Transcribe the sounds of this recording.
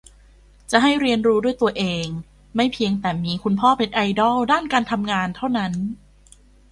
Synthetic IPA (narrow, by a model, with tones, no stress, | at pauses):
t͡ɕa˨˩ʔɦa˥˩jɾi˧ənɾuː˦˥du˥˩əjt̪u˧ɐʔeː˧ŋ | ma˥˩jpʰi˧əŋt̪ɛː˨˩miː˧kʰu˧npʰɔː˥˩pe˧nʔa˧jdɔ˥˩wdaː˥˩nkaː˧nt̪ʰa˧mŋaː˧nt̪ʰa˥˩wna˦˥n